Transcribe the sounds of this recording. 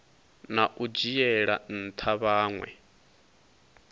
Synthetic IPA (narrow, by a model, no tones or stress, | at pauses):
naʔud͡ʒijɛɺa̰n̩t̪ʰaβaːŋwɛ̰